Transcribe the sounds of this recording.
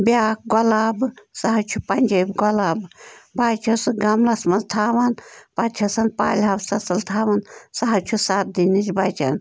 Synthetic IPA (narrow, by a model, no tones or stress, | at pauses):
bʲaːk̚ɡɔlaːbsaɦɐt͡ʃʰupɐnʲd͡ʒɐbʲɡɔlaːbbaːt͡ʃʰɐsɨɡɐmlɐsmɐnzt̪ʰaːʋɐnpɐɐsɐnpa̰ːlʲɦabsɐsɐlt̪ʰaːʋɐnsaɦɐt͡ʃʰusaːt̪̚d̪init͡ʃbaːt͡ʃʰɐ̰n